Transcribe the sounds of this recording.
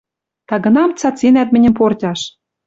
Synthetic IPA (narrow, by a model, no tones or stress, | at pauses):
t̪ɑɣɤ̆nɑmt͡sɑt͡sinæt̪mɘ̆nʲɘ̆mportʲɑʃ